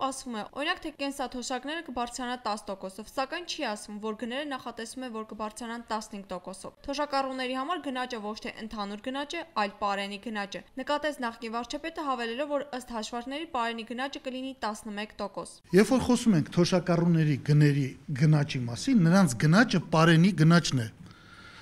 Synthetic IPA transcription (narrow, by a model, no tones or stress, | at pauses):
ɑsvumɛʔɔ̰ɾinɑkt̪ʰɛkɛnsɑt̪ʰɔʃɑknɛɾəkəbɑɾt͡sʰɾɑnɑt̪ɑst̪ɔkɔsɔvsɑkɑjnt͡ʃʰiɑsvumvɔɾɡənɛɾənɑχɑt̪ɛsumɛvɔɾkəbɑɾt͡sʰɾɑnɑnt̪ɑsnəhiŋɡ̚t̪ɔkɔsɔ̰vt̪ʰɔʃɑkɑrunːɛɾihɑmɑɾɡənɑt͡ʃəvɔt͡ʃʰt̪ʰɛʔənt̪ʰɑnuɾɡənɑt͡ʃɛɑjlpɑɾɛniɡənɑt͡ʃənəkɑt̪ɛt͡sʰnɑχkinvɑɾt͡ʃʰɑpɛt̪əɦɑvɛlɛlɔvːɔɾəst̪hɑʃvɑɾknɛɾipɑɾɛniɡənɑt͡ʃəkəlinit̪ɑsnəmɛkt̪ɔkɔs | jɛvfɔɾχɔsumɛŋkʰt̪ʰɔʃɑkɑrunːɛɾiɡənɛɾiɡənɑt͡ʃimɑsinːəɾɑnt͡sʰɡənɑt͡ʃəpɑɾɛniɡənɑt͡ʃnɛ